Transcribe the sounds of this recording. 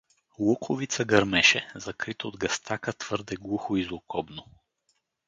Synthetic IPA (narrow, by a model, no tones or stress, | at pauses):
lˠɔkʰovit̪səɡɐɾmɛʃɛzɐkɾit̪ood̪ɡɐst̪ʰakət̪v̥ɤɾd̪ɛɡlˠuxoizlˠokɔbno